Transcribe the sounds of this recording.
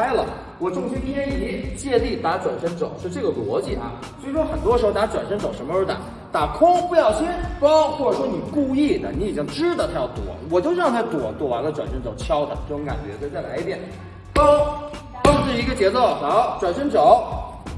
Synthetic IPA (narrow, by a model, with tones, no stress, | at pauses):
a˥ɪlə̰˨ | wɔ˨˩ʈ͡ʂʊ˥ŋt͡ɕʰy˧˥t̪ʰjɛ˥ni˥˩li˥˩t͡ɕjɛ˥˧li˥˩t̪a˧˥ʈ͡ʂwa˨˩nʂə˥nt͡so˨˩˦ʊʂwɔ˥ʈ͡ʂɤ˥˩ɡə˩lwɔ˧˥t͡ɕi˥˩a̰˧ | t͡ɕo˥˩ʂi˥ʂwɔ˥xə˨˩nt̪wɔ˥ʂɻ̩˧˥xt̪a˥ʈ͡ʂwa˨˩nʂə˥nt͡so˨˧˩ʊʂə˧˥mə˧ʂt̪a̰˨˧˥ | t̪a˨˩kʰʊ˥ŋpu˧jɑ˥˩ʊɕɛ˥npɑ˥ʊxwɔ˥˩ʈ͡ʂə˨˩ʂwɔ˥ni˨˩ku˥˧i˥˩d̪ə˩ni˧˥i˨˩t͡ɕi˥ŋʈ͡ʂɻ̩˥d̪ə˨t̪ʰa˥jɑ˥˩ʊt̪wɔ̰˨˩wɔ˨˩t͡ɕjo˥˧ʊɻɑ˥˩ŋt̪ʰt̪wɔ˧˩˦t̪wɔ˨˩wa̰˧˥nlə˧ʈ͡ʂwa˨˩nʂə˥nt͡so˨˩ʊt͡ɕʰjɑ˥ʊd̪ə̰˨˥˩xʊ˧˥ŋka̰˨˩nt͡ɕɥɛ̰˧˥t͡se˥˧t͡sa˥˩ɪla˧˥ɪi˥˩t̪jɛ˨˩˦n | pɑ˥ | pɑ˥˧ŋ̩˥˩i˧˥ɡə˧t͡ɕjɛ˧˥t͡so˥˩ʊxɑ˨˧˥ʊʈ͡ʂwa˨˩nʂə˥nt͡so˨˩˦ʊ